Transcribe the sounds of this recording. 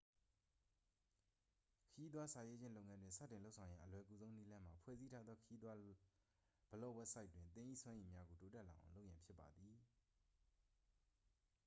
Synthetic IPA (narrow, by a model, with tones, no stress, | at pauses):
kʰə˨ji˦d̪wa˦sa˨je˦d͡ʑɪ̃˦nlo˦ʊŋã˦ndwɪ̃˨sa̰˦˨tːɪ̃˨lo˦ʊsʰã˨ʊ̃jã̰˦ʔəlwɛ˨ku˨zõ˦ʊ̃ni˦lã˦m̥a˨pʰwɛ̰˦˨zi˦tʰa˦d̪ðɔ˦kʰə˨ji˦d̪wa˦ | b̥ə˨lo˦˨wɛ˦ʔsa˦ɪtwɪ̃˨nt̪ɪ̃˦ʔḭ˦˨swã˦ʔẽ˨mja˦ɡo˨to˦tɛ˦˨la̰˨ʔã˨lo˦ʊʔjã˨pʰjɪ˦pːa˨d̪ði˨